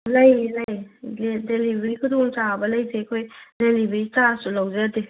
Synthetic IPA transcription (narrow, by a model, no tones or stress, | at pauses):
lɐjlajedelibɾikʰudɔŋt͡ʃabɐlɐjzekʰojdelibɾitasulawzede